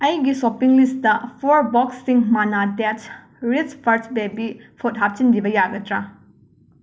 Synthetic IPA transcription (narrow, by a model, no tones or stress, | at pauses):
ɐjɡisopiŋlistɐpʰoɾbɔksːiŋmanatet͡ʃ | ɾit͡ʃpʰɐɾsbebipʰot̚ɦap̚t͡ʃindibɐjaɡɐtɾa